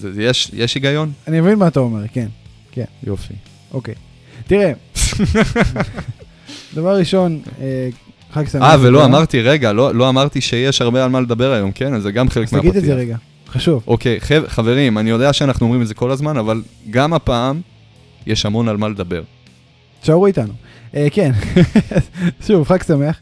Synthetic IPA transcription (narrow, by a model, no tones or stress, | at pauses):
zjeʃjeʃiɡajo̞nanimavinmaat̪aomeʁken | kenjo̞fḭ | ʔokej | t̪iʁe | d̪avaʁːiʃo̞ne | χaksaavelo̞amaʁt̪iʁeɡalolo̞amaʁt̪iʃe̞jeʃhaʁbealmale̞d̪abe̞ʁajo̞mke̞nazeɡamχelekmeaɡit̪iezeʁeɡa | χaʃuvʔo̞ke̞jχevχave̞ʁimanijo̞d̪eaʃeanaχnuo̞mʁimezeko̞lazmanavalɡamapaːm | jeʃamo̞nalmaled̪abe̞ʁ | ʃaʁuit̪anu | ʔeke̞nzʃuvχaksameaχ